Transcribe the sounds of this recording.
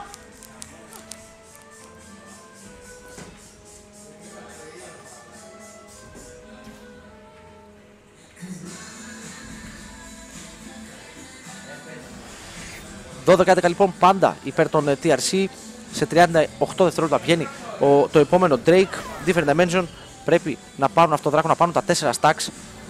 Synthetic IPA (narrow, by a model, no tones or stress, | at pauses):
ðo̞ðe̞kɐeðekɐlipo̞mpɐnd̪ɐ̰ipe̞ɾt̪o̞nt̪iɐɾsi | se̞t̪ɾiɐnd̪ɐoxt̪o̞ðeft̪eolt̪ɐpʝe̞nit̪o̞epo̞me̞no̞d̪ɾejkd̪ifeɾd̪ɐmenson | pɾe̞pi | nɐpɐɾunɐft̪oðɾɐkonɐpɐɾunt̪ɐt̪e̞se̞ɾɐst̪ɐks